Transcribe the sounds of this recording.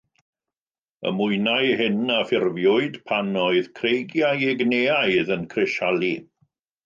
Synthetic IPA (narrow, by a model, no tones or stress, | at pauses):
ə̰mʊɨnajhɪnafɪrvjʊɨd̥pʰanɔɨð̥kʰrejɡjajɪɡneːaɨðənkʰrɪʃalˠi